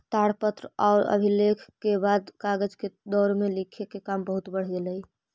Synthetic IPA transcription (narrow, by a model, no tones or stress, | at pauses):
t̪aɽpət̪ɾəɔːɾə̰bʱilekʰkebad̪kaɡəd͡ʒked̪ɔːɾmẽlikʰekekambəɦut̪bəɽ̤d͡ʒeləi